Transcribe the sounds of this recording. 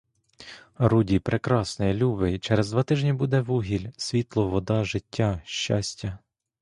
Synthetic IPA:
rudʲipɾʔekɾɑsnɔjɛlʲubɪt͡ʃɛɾɛzd̪ʋɑt̪ɪʒnʲibud̪ɛʋuɦʲilʲsʲʋʲit̪lˠɔʋɔd̪ɑʒɪtʲːaʃt͡ʃasʲtʲɐ

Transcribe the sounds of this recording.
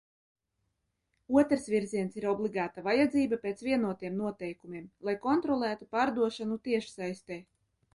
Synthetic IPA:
uɔt̪ɾsviɾziɛnsiɾɔblˠiɡaːt̪avajad̪ziːbapʲeːt̪svʲiɛnuɔt̪ijɛmnuɔt̪ɛjkumʲiɛmlˠajkɔnt̪ɾɔlˠæːt̪upaːɾd̪uɔʃanut̪iɛʃsajst̪ɛː

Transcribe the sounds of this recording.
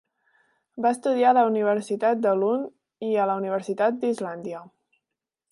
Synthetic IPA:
baəst̪uðiaələuniβ̞əɾsit̪at̪̚d̪əlun | iələuniβ̞əɾsit̪at̪̚d̪izland̪iə

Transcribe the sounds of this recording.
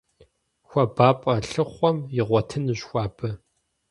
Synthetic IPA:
xʷɔbaːpʼɐɬɨχʷɔmjɪʁʷɔtʰɨnɨɕxʷɑːbɐ

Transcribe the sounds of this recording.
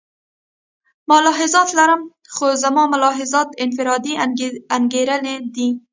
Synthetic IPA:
malɑɦɪzɑt̪laɾəm | xozamɑmʊlɑɦɪzɑt̪ɪnfɪɾɑd̪iaŋɡeɾəled̪i

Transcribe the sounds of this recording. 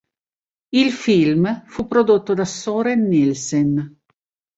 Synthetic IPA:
ilfilmfupːɾod̪ot̪ːod̪asoɾenːilsen

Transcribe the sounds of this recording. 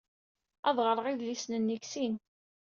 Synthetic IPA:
ɑðˤʁəɾˤəʁiðlisnənːiksin

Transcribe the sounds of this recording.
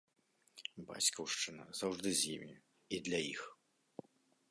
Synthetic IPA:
ba̰t͡sʲkɐwʂt͡ʂɨnɐ̰zawʐd̪ɨzʲjimʲi | id̪lʲɐjix

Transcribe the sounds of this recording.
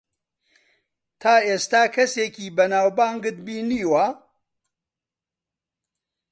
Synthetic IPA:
t̪ʰaːeːst̪aːkʰɐseːkiːbɐnaːwbaːŋɡɨt̪̚biːniːwa

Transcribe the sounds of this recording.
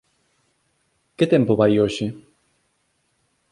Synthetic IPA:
ket̪ɛmpoβajoʃɪ

